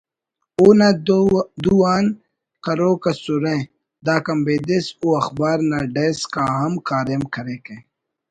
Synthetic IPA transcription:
oːnad̪uːaːn | kɐɾoːkɐsuɾẽː | d̪aːkɐmbeːd̪esuːɐxbaːɾnaːɖeːskaːɦɐmkaːɾeːmkɐɾeːkẽː

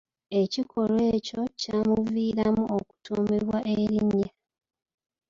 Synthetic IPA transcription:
e̞cikʰo̞lwe̞ːco̞caːmuviːɾamuʔoku̥tʰoːmeβwaʔeɾiɲːa

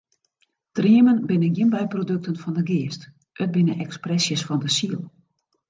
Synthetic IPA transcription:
triəmənbɪnənɡiənbɛjprodøk̚tənfɔndəɡɪəst | ʔət̚bɪnəʔɛksprɛsjəsfɔndəsiəlˠ

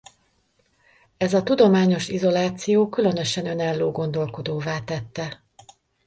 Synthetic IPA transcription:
ɛzɒt̪ud̪o̞maːɲo̞ʃizo̞laːt̪sijoːkylø̞nø̞ʃɛnø̞naːlːoːɡo̞n̪d̪o̞lko̞d̪oːvaːt̪ɛt̪ːɛ

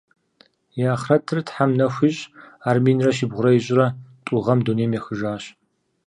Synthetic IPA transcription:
jaːχrɐtʰɨrtħamnɐxʷiɕʼaːrmeːnrɐʃibʁʷʊɾɐjɪɕʼɪrɐtʼʊʁɐmdoːneːmjɛxɨʒaːɕ

